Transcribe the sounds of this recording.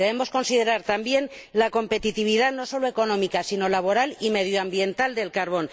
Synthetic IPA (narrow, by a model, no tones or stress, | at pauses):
eβemo̞sko̞nsið̞e̞ɾaɾt̪ambje̞nlako̞mpe̞t̪it̪iβ̞iðano̞so̞loe̞ko̞nõ̞mikasino̞laβ̞o̞ɾalime̞ð̞joambje̞nt̪ald̪e̞lkaɾβo̞n